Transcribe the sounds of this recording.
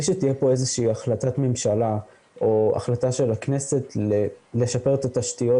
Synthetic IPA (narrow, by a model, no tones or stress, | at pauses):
iʃet̪ijepo̞ezeʃiːaχlatat̪me̞mʃala | ʔo̞a̰χlat̪aʃe̞laknese̞tlele̞ʃape̞ʁt̪at̪aʃt̪ijo̞